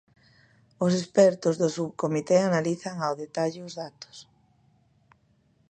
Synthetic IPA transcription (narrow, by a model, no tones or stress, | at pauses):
os̬espɛɾt̪ozðosuβkomit̪eanaliθaŋawðet̪aʎʊozðat̪o̥s